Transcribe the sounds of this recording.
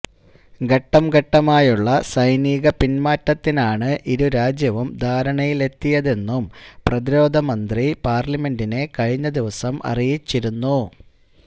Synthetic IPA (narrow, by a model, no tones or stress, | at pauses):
ɡɐʈːɐmɡɐʈːɐmaːjuɭːɐsɐjniːɣɐpinmaːtːɐt̪ːinaːɳɨʔiɾuɾaːd͡ʑjɐʋumd̪ʱaːɾɐɳɐjile̞t̪ːijɐðe̞nːumprɐðiɾo̞ːd̪ʱɐmɐnd̪ripaːrlɐme̞ndine̞kɐɻiɲːɐd̪iʋɐsɐmɐ̰rijit͡ɕːiɾunːu